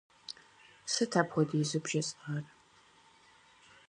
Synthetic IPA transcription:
sɨtʰapxʷɔdiːzubʒɐt͡sʼar

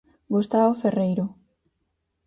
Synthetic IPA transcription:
ɡust̪aβoferejɾo

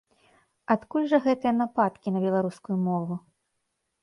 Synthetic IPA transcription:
at̪kulʲʐɐɣɛt̪ɨjɐnapat̪kʲinɐbʲɛlˠaɾuskujumɔvu

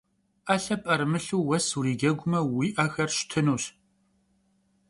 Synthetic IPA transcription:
ʔɐɬɐpʼɐrmɨɬuːwɐsuriːɡʲɐɡʷʊmɐwiːʔɐxɐrɕtʰɨnuːɕ

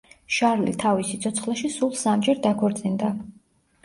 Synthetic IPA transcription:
ʃaɾlḭt̪ʰavisit̪sʰɔt̪sʰχlaʃisulˠsamd͡ʒɛɾd̪akʰɔɾt̪sʼind̪a

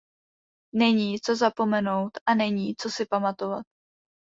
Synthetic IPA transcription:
nɛɲiːt͡so̞zapo̞mɛno̞wt̪ʔanɛɲiːt͡so̞sɪpamat̪o̞va̰t̪̚

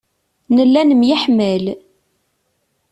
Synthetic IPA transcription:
nəlːænəmjəħməl

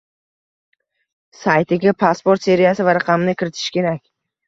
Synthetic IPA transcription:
sajt̪ʰɪɡʲapʰaspoɾt̪se̞ɾijasɪvaɾaqʰɑmɪnɪkʲʰɪɾɪt̪ʰɪʃkʲʰe̞ɾakʲ

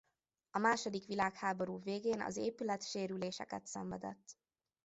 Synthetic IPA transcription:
ɒmaːʃo̞d̪ikʋilaːkhaːbo̞ɾuːveːɡeːnɒ̰zeːpylɛt̪ʃeːɾyleːʃɛ̰kɛt̪sɛɱvɛd̪ɛt̪ː

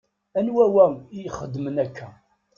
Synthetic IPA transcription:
ænwæwæijəχəd̪ːmənækʰːæ

